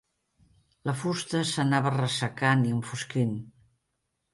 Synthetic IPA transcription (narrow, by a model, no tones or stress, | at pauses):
ləfust̪əsənaβərəsəkaniəɱfuskin